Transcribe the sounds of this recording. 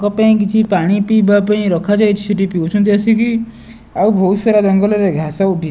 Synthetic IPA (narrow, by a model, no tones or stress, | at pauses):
kɔpaĩk̬it͡ʃʰipaɽ̃ipibapaĩɾɔkʰad͡ʒajt͡ʃʰi̥seʈipiwt͡ʃʰɔnt̪̬iasʰiki | awbʱowseɾad͡ʒɔŋɡɔlɔɾeɡʱasauʈi